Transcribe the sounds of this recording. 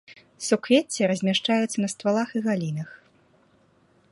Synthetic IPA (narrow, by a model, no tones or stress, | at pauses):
sukvʲet͡sʲːɛɾɐzʲmʲaʂt͡ʂajut̪sːɐnɐst̪valˠaxiɣalʲinɐx